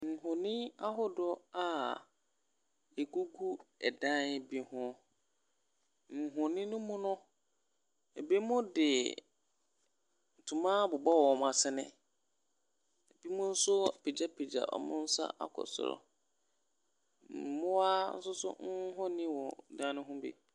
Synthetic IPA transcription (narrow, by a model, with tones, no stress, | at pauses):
n̩˨ɦʊ̃˨nĩ˦a˦ɦʊ˦dɔ˦a˨ | e˨ɡu˦ɡu˦ɛ˨dã˦n˨bi˦hʊ̃˦ | ŋ̩˨ɦʊ̃˨nĩ˦nʊ̃˦mʊ̃˦nʊ̃˦ | e˨bi˦mʊ̃˦dɪ˨ | tʰũ˨mãː˦bʊ˨bɔ˦wɔ˨ɔ˨m˨a˨sɪ˦nɪ̰̃˦˨ | b̥i˦mʊ̃˦n̩˦sʊ˦˨pʰe˨d͡ʑa˦pʰe˨d͡ʑa̰˨ʔɔ̰˨mʊ̰̃˦n̩˦sa̰˦ʔa˦kʰɔ̰˨sʊ̰˨ɾɔ̰˨ | m̩˨˦mʊ̃˦wa˦n̩˦sʊ˦sʊ̰˦ŋ̩˦ɦɔ̃˦nĩ˦wɔ˨dã˦nʊ̃˦ɦʊ̃˦bḛ˦˨